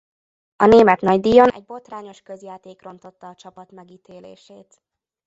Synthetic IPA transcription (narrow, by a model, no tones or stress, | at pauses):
ɒneːmɛt̪nɒɟd̪iːjonʔɛ̰ɟ̚bo̞t̪raːɲo̞ʃkøzjaːt̪eːkro̞nt̪o̞t̪ːɒːt͡ʃɒpɒt̪mɛɡiːt̪ʰeːlḛːʃeːt̪